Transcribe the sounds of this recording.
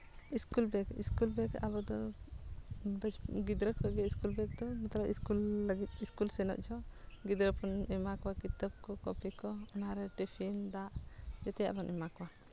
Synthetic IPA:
iskulbɛkḭskulbɛka̰bɔd̪ɔ | bɛd͡ʒɡid̪ɾəkʰɔɡɛiskulbɛk̚d̪ɔmɛt̪ɾaiskulːəɡit̪iskulsɛnɔ̰ʔt͡ʃʰɔɡid̪ɾəpɔnɛmakɔwakit̪əb̚kɔkɔpikɔɔnaɾɛʈipʰind̪aʔd͡ʒɔt̪ɛja̰ʔbɔnʔɛmakwa

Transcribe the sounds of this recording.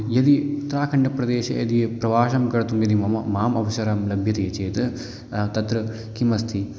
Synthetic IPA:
jɐd̪it̪ɾaːkʰɐɳɖɐpɾɐd̪eːʃɐ̰jɐd̪ipɾɐʋaːʃɐmkɐɽɐt̪umjɐd̪imɐmɐmːaːmɐʋɐʃɐɾɐmlɐbʱjɐt̪ɐjɐt͡ʃeːt̪ɨ | t̪ɐt̪ɾɐ | kimɐst̪ʰi

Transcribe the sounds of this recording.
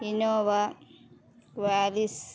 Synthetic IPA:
inoːʋa | kʋaːlis

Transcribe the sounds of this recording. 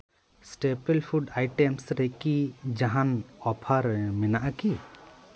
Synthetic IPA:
sʈepelpʰuɖajʈɛmsɾɛkid͡ʒaɦanɔpʰaɾɛmɛnaʔaki

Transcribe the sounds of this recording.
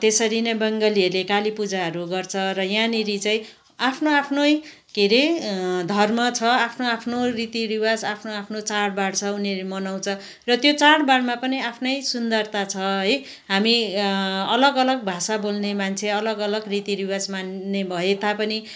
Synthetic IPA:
t̪esʌɾinʌjbʌŋɡʌliʌrlekalipud͡zaɦʌɾuɡʌrt͡sʰʌɾʌjãniɾit͡saĩ | apʰnoapʰnʌj | keɾed̪ʱʌrmʌt͡sʰʌapʰnoapʰnorit̪iɾiwad͡zapʰnoapʰnot͡saɽbaɽt͡sʰʌuneɾimʌnaw̃t͡sʰʌ | rʌt̪jot͡saɽbaɽmapʌniapʰnʌjsund̪ʌrt̪at͡sʰʌɦʌj | ɦami | ʌlʌɡʌlʌɡbʱasabolnemant͡sʰeʌlʌɡʌlʌɡrit̪iɾiwad͡zmanːebʱʌet̪apʌni

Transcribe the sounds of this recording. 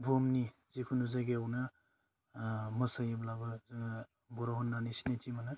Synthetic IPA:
bɔmni | zikʰunuzaɡeawna | mɐsajeblabɯ | bɔɾaɦɔnːanisinetʰimanɯ

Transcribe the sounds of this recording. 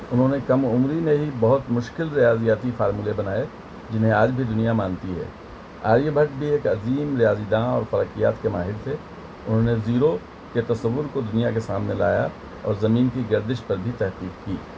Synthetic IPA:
ʊnɦõːnekɐmʊmɾimẽɦibɐɦʊt̪mʊʃkɪlɾɪjaːzijaːt̪ifaːɾmuːlebɐnaːe | d͡ʒɪnɦẽaːd͡ʒbʱid̪ʊnijamaːnt̪iɦɛ̰ː | a̰ːɾjəbʱɐʈ̚bʱieːkɐziːmɾɪjaːzid̪ãːɔːɾfɐɾəkija̰ːt̪kemaːɦɪɾt̪ʰe | ʊnɦõneziːɾo | ket̪ɐsɐʋːʊɾkod̪ʊnijakesaːmnela̰ːja̰ | ɔ̰ːɾzɐmiːnkiɡɐɾd̪ɪʃpɐɾbʱit̪ɛɦqiːkkiː

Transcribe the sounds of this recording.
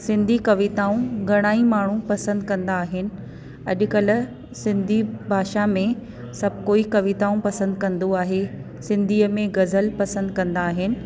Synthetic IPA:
sɪ̃nd̪ʱikɐʋɪt̪aːũɡʱɐɽ̃aːĩmaːɳ̤upɐsə̃nd̪kɐ̃nd̪aːɦɪnɪ̆ | ɐ̰ʄkɐl̆ | sɪ̃nd̪ʱibʱaːʃamẽ | sɐb̚ʱkoːikɐʋɪt̪aːũpɐsə̃nd̪̚kɐ̃nd̪oaːɦe | sɪ̃nd̪ʱiːəmẽɡɐzəlpɐsə̃nd̪kɐ̃nd̪aːɦɪnɪ̆

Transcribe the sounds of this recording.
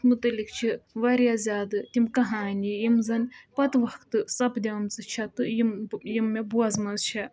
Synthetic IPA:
mɨt̪ɐlʲikt͡ʃʰiʋɐɾʲjazʲaːd̪ɨt̪ʲimkɐɦaːnʲijimzɐnʲpɐt̪ʋɐkt̪ɨsɐpd̪ʲɐmt͡sɨt͡ʃʰɐt̪ɨjmjimːɐbuɐzmɐzt͡ʃʰɐ

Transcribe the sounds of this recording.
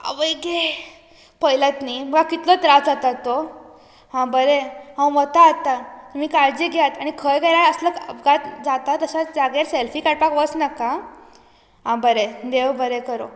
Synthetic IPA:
ə̰ʋəjɡe | pəjlat̪nim̤əɡakit̪lɔt̪ɾad͡zat̪at̪o | ɦãbəɾeɦãwʋət̪aːt̪at̪miːkaɾd͡ʑiɡʱjat̪aɽ̃ikʰəjɡaɾajəsləkɡat̪d͡zat̪at̪əɕad͡zaɡeɾselfiːkaɽ̚pakʋət͡snaka | ɦãbəɾed̪eʋbəɾekəɾo̰

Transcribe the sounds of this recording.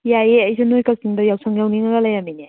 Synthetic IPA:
jajeɐjsʰɯnojkak̚siŋdɔjawsʰaŋjawniŋaɡalajamine

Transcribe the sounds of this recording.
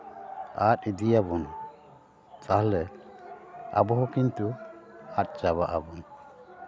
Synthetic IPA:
aːtid̪ijabɔn | t͡sʼahlɛ | a̰bɔɦɔkint̪uat̪̚ʼt͡ʃaβaʔabɔn

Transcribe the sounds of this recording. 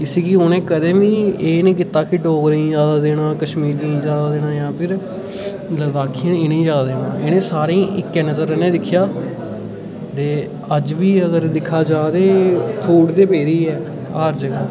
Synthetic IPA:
kɪseːkɪoːnẽːkəd̪ẽːʋiːeːnẽːk̬ɪt̪aːkɪɖoːɡɾĩd͡ʒaːd̪aːd̪eːɽãːkəʃmiːɾniːd͡ʒaːd̪aːd̪eːnãːjãːpʰɪɾ | ləd̪aːkʰijəneːnẽːd͡ʒaːd̪ad̪eːnãːeːnẽːsaːɾẽːʔɪkːɛ̃ːnəzəɾnẽːd̪ɪkʰjaː | t̪eː | əd͡ʒʋiːəɡəɾd̪ɪkʰːaːd͡ʒaːd̪eːpʰuːʈd̪eːpeːɾiːɛː | aːɾd͡ʒ

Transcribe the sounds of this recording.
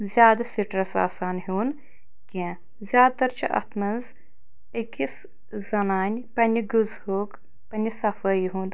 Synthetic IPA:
zʲjaːd̪ɐsiʈɾɐsa̰ːsaːnɦuːn | kʲẽ | zʲaːd̪̚t̪ɐɾt͡ʃʰiʔɐ̰t̪ʰmɐnz | əkis | zɐnaːnʲpɐnʲiɡuzhoːk | pɐnʲisɐfəːjɦũːnd̪

